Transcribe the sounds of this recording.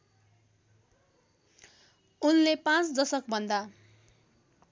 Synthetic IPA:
unlepãt͡sd̪ʌsʌkbʱʌnd̪a

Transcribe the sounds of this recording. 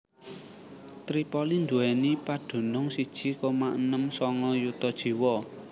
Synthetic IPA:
t̪ɾipɔlind̪uɛnipaɖ̥o̤nʊŋsid̥ʒ̥i̤kɔmaʔnəmsɔŋɔjut̪ɔd̥ʒ̥i̤wɔ

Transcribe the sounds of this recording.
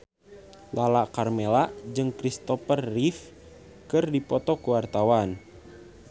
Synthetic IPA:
lalakarmelaʔd͡ʒɨŋkɾist̪ɔfərːif | kɨrdipɔt̪ɔkuwart̪awan

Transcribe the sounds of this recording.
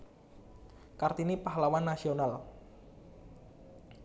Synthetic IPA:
kart̪inipaɦlawanːasional

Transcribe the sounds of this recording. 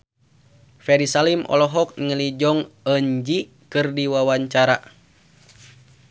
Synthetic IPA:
fɛɾisalimʔɔ̰lɔɦɔk̚ŋəlid͡ʒɔŋəɲd͡ʒi | kɨrdiwawaɲt͡ʃaɾa̰

